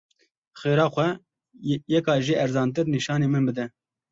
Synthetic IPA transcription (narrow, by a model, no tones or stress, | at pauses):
xeːɾɑːxʷɛ | jɛkɑːʒiːɛɾzɑːnt̪̬ɨɾniʃɑːneːmɨnbɨd̪ɛ